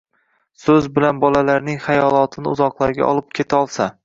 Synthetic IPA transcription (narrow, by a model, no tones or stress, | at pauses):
sɵzbɪlanbɒlalaɾnɪŋχajɒlˠɒt̪ʰɪnɪ̰ʊzɒqlˠaɾɡʲa̰ʔɒ̰lˠɪp̚kʲʰet̪ʰaɒlˠsa